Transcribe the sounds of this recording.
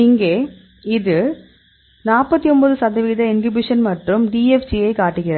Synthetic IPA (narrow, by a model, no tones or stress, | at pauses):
ɪŋɡeː | ɪðɯ | naːpɐt̪ːiɔmbɐðɯsɐðɐʋiːðɐɪnkɪbɪʂɐnmɐʈrɯmɖiːɛfsijɐɪkaːʈːɯɣɪrɐ